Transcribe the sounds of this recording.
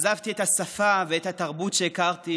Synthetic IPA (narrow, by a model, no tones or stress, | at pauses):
zavt̪iet̪hasafaveethat̪aʁbutʃeːkaʁt̪i